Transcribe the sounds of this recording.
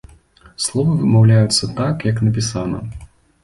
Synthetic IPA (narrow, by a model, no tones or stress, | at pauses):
slˠɔvɐvɨmawlʲajut̪sːɐt̪akjɐknɐpʲisanɐ̰